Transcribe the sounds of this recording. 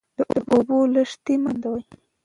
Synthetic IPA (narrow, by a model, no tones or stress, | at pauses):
d̪əʔəʔoboləʂt̪imand̪awaj